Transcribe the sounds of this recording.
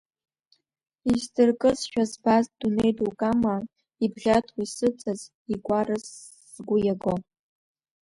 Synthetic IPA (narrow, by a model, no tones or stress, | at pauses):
izdɨrkʼɨzʃᶣazbazd̥unejtʼukʼama | ibʁʲatʰwisɨt͡sʼaz | iɡʷaɾɨzː | ɡʷʊjaɡo